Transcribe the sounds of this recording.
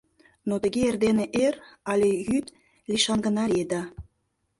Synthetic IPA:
not̪ə̆ɣeerd̪eneʔerɑlʲejyt̪ | liʃɑnɡə̆nɑɾʲed̪ɑ

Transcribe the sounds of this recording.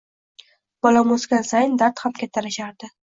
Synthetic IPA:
b̥ɒlamosɡʲansajnd̪aɾt̪hamkʲʰat̪ʰːaɾɪʃaɾd̪ɪ

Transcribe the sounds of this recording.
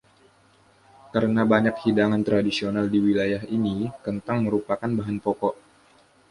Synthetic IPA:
kaɾənabaɲak̚hidaŋant̪ɾadisionaldiwilajaɦinikənt̪aŋməɾupakanbaɦanpɔkɔʔ

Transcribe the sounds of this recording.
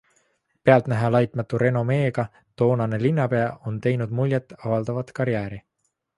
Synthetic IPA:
peɑlt̪næɦɑlɑjt̪ˑmɑt̪ːuɾe̞no̞me̞ːɡ̥ɑ | t̪o̞ːnɑne̞linːɑpe̞ɑʔo̞nt̪e̞jnud̪̥mulʲjet̪ːˑɑvɑld̪̥ɑvɑt̪kɑɾjæːɾi

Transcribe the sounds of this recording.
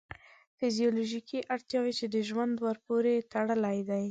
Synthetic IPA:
fizijɑloʒikʰiʔaɽt̪jɑwet͡ʃed̪əʒwand̪waɾpoɾet̪aɽəlajd̪aj

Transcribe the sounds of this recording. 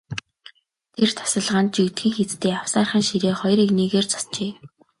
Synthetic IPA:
t̪ʰert̪ʰḁsə̆ɮʁaːnt̪t͡ɕit̪xĭːŋxet͡st̪eːaw̥saːrχə̆ːnʃiɾeːχɔjriːkniːɣeːrt͡sʰɔ̥st͡ɕeː

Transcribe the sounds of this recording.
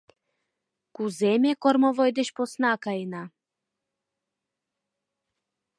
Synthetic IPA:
kuzemʲekormovojd̪et͡ɕposnakaena

